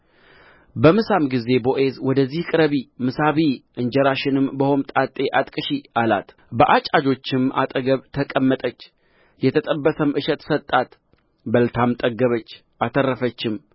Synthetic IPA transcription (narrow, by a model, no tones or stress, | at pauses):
bəmɨsamɡize̞bo̞ʔe̞zwɔd̪əzːihkʼɨɾəβimɨsaβiʔɨnd͡ʒɛɾaʃɪnɨmbəhomt̪ʼat̪ʼːe̞ʔat̪ʼkʼɨʃiʔala̰t̪ | bəʔat͡ʃʼad͡ʒo̞t͡ʃːɪma̰t̪ʼəɡəβt̪ʰəkʼəmːət̪ʼət͡ʃː | jɛt̪ʰət̪ʼəbːəsəmʔɨʃɛt̪sət̪ʼːat̪ | bəlt̪ʰamt̪ʼəɡəβət͡ʃː | ʔat̪ʰərːəfət͡ʃːɪm